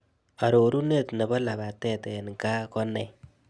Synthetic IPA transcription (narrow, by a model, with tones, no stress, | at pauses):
a˨ɾo˨ɾu˦ne˦tne˨bɔ˦la˨βa˨tɛ˦tɛ˨n˨ka˦kɔ˦nɛ˨